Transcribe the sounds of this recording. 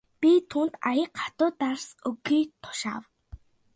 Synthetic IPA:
pʲit̪ʰuːnt̪ajə̆qʰḁt̪ʊːt̪arsɵɡiːt̪ʰʊ̥ʃa̰ːw

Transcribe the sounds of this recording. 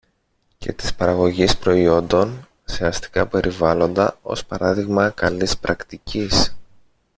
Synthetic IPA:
ce̞̰t̪i̥spɐɾɐɣo̞ʝispɾo̞io̞nd̪o̞n | seɐst̪i̥kɐpe̞ɾʔivɐlo̞nd̪ɐo̞̰spɐɾɐðiɣmɐkɐlispɾʔɐkt̪icis

